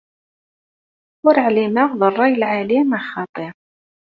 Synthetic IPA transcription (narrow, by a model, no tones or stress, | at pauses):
ʊɾəʕlimaʁðərˤːɑjəlʕalimaxɑt̪ˤəɾ